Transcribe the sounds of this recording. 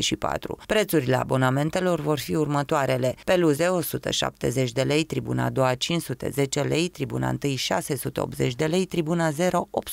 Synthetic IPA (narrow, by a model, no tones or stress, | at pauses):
ʃipa̰t̪ɾṵpɾe̞t̪suɾile̞a̰bo̞name̞nt̪e̞lo̞rvo̞rfiurmət̪oaɾe̞le̞pe̞luze̞o̞sut̪ə̰ʃa̰p̚t̪e̞̰zet͡ʃʲd̪e̞le̞jt̪ɾibṵna̰d̪o̞at͡ʃinsut̪e̞̰ze̞t͡ʃe̞le̞jt̪ɾibṵna̰ɨnt̪ɨjʃa̰se̞sut̪eo̞̰pt̪ze̞t͡ʃʲd̪e̞le̞jt̪ɾibunaze̞ɾo̞ʔʔop̪̚